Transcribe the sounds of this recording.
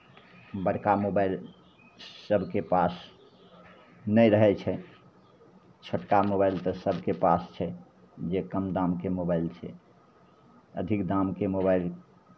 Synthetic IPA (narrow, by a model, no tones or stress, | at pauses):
bəɽkamobaɪl | səbʱkepas | nəjɾəɦɛt͡ʃʰɛ | t͡ʃʰəʈkamobajlt̪əsəbʱkepast͡ʃʰɛ | d͡ʒekəmd̪amkemobalt͡ʃʰɛ̰ | əd̪ʱikd̪amkemobail